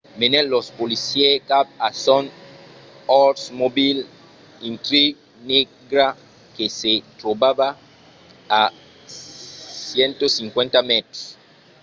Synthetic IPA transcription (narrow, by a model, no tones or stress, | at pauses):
menelospolisjekab̚ason | ɔɾsmobil | ĩnt̪ɾi | ni | ɡɾa | keset̪ɾobaβa | a | sjent̪osĩŋkwẽnt̪amet̪ɾos